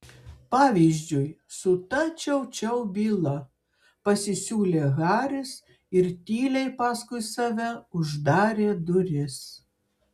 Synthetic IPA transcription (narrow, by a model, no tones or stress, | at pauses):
pɑːʋʲizʲd͡ʒʲʊjsʊt̪ɐt͡ʃʲɛʊt͡ʃʲɛʊbʲiːlˠɐ | pɐsʲɪsʲuːlʲeːɣɑːɾʲɪs | ɪɾt̪ʲiːlʲɛɪpɑːskʊɪsɐʋʲɛʊʒd̪ɑːɾʲeːd̪ʊɾʲɪs